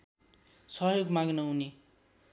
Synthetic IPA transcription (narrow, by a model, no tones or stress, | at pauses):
sʌɦjoɡmaɡnʌuni